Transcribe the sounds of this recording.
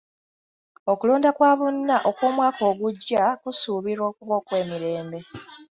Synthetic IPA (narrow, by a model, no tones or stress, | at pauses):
o̞kuloːndakwaːβonːaʔo̞kwoːmwaːko̞ːɡuɟːakusuːβiɾo̞ːkuβo̞ːkwe̞ːmiɾe̞ːmbe̞